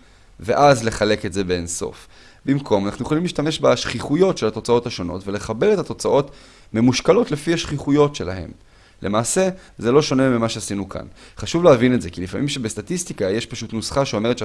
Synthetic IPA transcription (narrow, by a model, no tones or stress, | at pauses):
ve̞ʔazle̞χale̞ke̞tze̞beenso̞̰f | bimkʰo̞manaχnuje̞χolimliːʃtameʃbaʃχiχujo̞tʃelhat̪o̞t͡sao̞thaʃo̞no̞̰tve̞le̞χabe̞le̞t̪at̪o̞t͡saʔo̞t | me̞muʃkalo̞tle̞fihaʃχiχujo̞tʃe̞la̰he̞̰m | lʔe̞̰maːse̞ | ze̞lo̞ʃo̞ne̞mimaʃeasinukʰa̰nχaʃuvleavinetzekilifamimʃebest̪atist̪ikajeʃpaʃutnusχaʃeo̞me̞etʃ